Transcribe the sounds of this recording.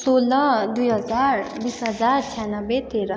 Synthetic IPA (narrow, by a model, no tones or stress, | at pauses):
soːləd̪ujɦəzaːɾbiːsɦɐzaːɾt͡ʃʰɛːnəbet̪eːɾə